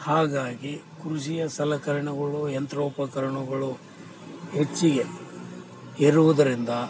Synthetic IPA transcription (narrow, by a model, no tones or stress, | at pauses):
haːɡaːɡikɾuʃ̬ijɐsɐlɐkɐɾɐɳɐɡɐɭuɛnt̪ɾoːpɐkɐɾɐɳɐɡɐɭu | ɦet͡ʃːiɡe | iɾuʋud̪ɐɾind̪ɐ